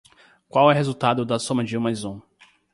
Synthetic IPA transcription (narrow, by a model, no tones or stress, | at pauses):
kwawɛɦezuwt̪ad̪ʊd̪ɐsõmɐd͡ʒiũmɐjzõ